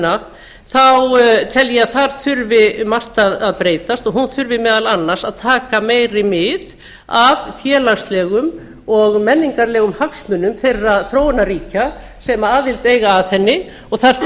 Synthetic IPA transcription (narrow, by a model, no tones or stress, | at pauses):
na | θawt̪ʰɛljɛaθaɾ̥θʏɾvɪmar̥t̪aðaðpɾeːjt̪ast̪ɔɣɦunθʏɾvɪmɛːðalanːaɾ̥saðt̪ʰaːkameːjɾɪmɪð | avfjɛːlast̪lɛːɣʏm | ɔɣmɛnːiŋkaɾlɛːɣʏmhaksmʏnʏmθejrːaðθɾoːwnaɾiːca | sɛmaaːðɪlt̪eːjɣaːðθɛnːɪ | ɔɣθaɾ̥